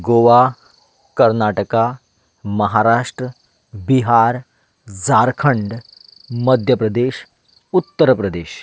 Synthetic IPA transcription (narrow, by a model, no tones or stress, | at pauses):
ɡoʋa | kəɾnaʈəka | məɦaɾaːʂʈɾə | biɦaɾ | d͡zaɾkʰəɳɖ | məd̪ʱjəpɾəd̪eːɕ | ut̪ːəɾpɾəd̪eːɕ